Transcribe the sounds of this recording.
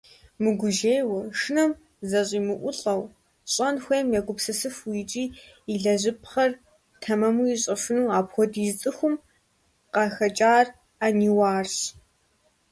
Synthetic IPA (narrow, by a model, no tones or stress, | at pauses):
mɨɡʷʊʒeːjwɐʂɨnɐm | zɐɕʼiːmɨʔʷʊɬʼɐw | ɕʼɐnxʷejmjaɡʷʊpsɨsɨfwit͡ʃʼiː | iɮɐʑɪpχɐr | tʰɐmɐmuiɕʼɐʂʊnuːaːpxʷɔdizt͡sʼɨxʷʊm | qɐxɐt͡ʃʼaːr | aniwaːrɕ